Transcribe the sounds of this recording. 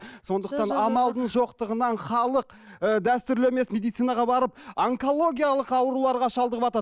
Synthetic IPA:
so̞nd̪əqt̪ɑnɑmɑlˠd̪əɴʒo̞qt̪əʁənɑɴχɑlˠəq | əd̪æst̪ʏɾle̞me̞sme̞d̪ijt̪sijnɑʁɑbɑɾəp̚aŋko̞lˠo̞ɡʲijɑlˠəqɑwəɾulˠɑɾʁɑʃɑlˠd̪əʁəpɑt̪ɑ

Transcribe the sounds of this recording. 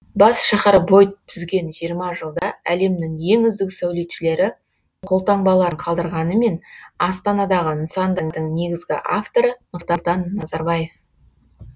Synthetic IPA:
bɑsʃɑχɑɾbo̞jt̪ʰːʏzɡʲe̞nʒijəɾmɑʒəlˠd̪ɑæle̞mnɪŋje̞ŋʏzd̪ɪksæwle̞t̪ʃɪle̞ɾɪ | qʰo̞lˠt̪ɑɴbɑlˠɑɾəɴqʰɑlˠd̪əɾʁɑnəme̞nɑst̪ɑnɑd̪ɑʁəənsɑnd̪əŋd̪əɴne̞ɡʲɪzɡʲɪ̰ʔaft̪o̞ɾənʊɾt̪ɑlˠt̪ɑnːɑzɑɾbɑje̞f

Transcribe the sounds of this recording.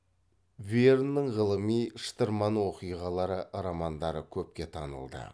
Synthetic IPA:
vernːəɴʁəlˠəmijʃə̥t̪əɾmɑnwo̞qijʁɑlˠɑɾəɾɑmɑnd̪ɑɾəkʲʰɵp̚kʲe̞t̪ʰɑnə̰lˠd̪ə̰

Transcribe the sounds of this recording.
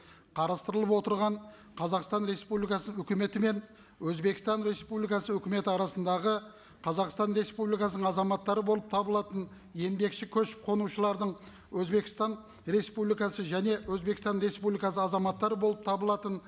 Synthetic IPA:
qʰɑɾɑst̪əɾəlˠəpwo̞t̪əɾʁɑɴ | qʰɑzɑqst̪ɑnɾe̞spublijkɑsəɵkʲɪme̞t̪ɪme̞n | wɵzbe̞kʲɪst̪ɑnɾe̞spublijkɑsəɵkʲɪme̞t̪ɪɑɾɑsənd̪ɑʁə | qʰɑzɑqst̪ɑnɾe̞spublijkɑsənəɴɑzɑmɑt̪ːɑɾəbo̞lˠəp̚t̪ʰɑbəlˠɑt̪ən | je̞md̪e̞kʃɪkʲʰɵʃqʰo̞nuʃəlˠɑɾd̪əɴ | wɵzbe̞kʲɪ̥st̪ɑn | ɾe̞spublijkɑsəʒæne̞wɵzbe̞kɪst̪ɑnɾe̞spublijkɑsəɑzɑmɑt̪ːɑɾəbo̞lˠəp̚t̪ʰɑbəlˠɑt̪ən

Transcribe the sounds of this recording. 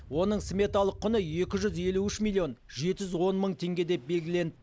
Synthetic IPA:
wo̞nəɴsime̞t̪alˠəqʰːʊnəje̞kʲɪʒʏze̞luɪʃmilʲːijo̞nʒe̞t̪ɪʒʏzwo̞nməɴt̪ʰe̞ŋɡʲe̞d̪e̞p̚be̞lɡʲɪle̞nɪ

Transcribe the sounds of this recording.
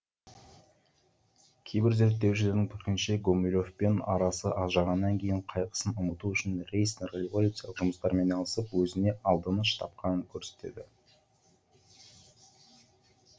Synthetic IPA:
kʲʰe̞jbɪɾze̞ɾt̪ːe̞wʃɪle̞ɾd̪ɪŋt̪ʰʏkʲɪnʃeɡomilʲo̞fpe̞nɑɾɑsəʔɑzʒɑʁɑnːɑŋkʲʰe̞jɪɴqʰɑjqʰə̥sənʊmət̪uʏʃɪnrʲe̞jsnerolʲivolʲut̪sɨjɑlˠəqʒʊməst̪ɑɾme̞nɑlˠəsəpwɵzɪne̞ʔɑlˠd̪ənəʃt̪ʰɑ̰p̚qɑnəŋkʲʰɵɾse̞̥t̪e̞̰d̪ɪ

